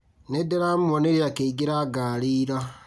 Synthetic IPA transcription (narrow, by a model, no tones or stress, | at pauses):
nedeɾamwɔneɾiakeiɡeɾaɡaɾiːɾa